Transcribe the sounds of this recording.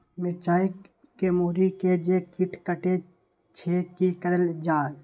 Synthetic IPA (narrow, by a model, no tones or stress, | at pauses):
mɪt͡ʃaːi | kemoːɾiked͡ʒekɪʈʰkəʈe | t͡ʃʰeːkikəɾəld͡ʒaːɾ